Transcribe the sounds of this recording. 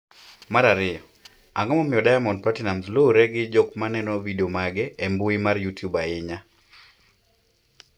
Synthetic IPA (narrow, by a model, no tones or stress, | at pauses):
maɾaɾɪɔ | aŋɔmɔmɪjɔdajamɔnpatinamzloɾɛɡɪd͡ʒokmanɛnɔvideomaɡɛembuimarjutjubaɪɲa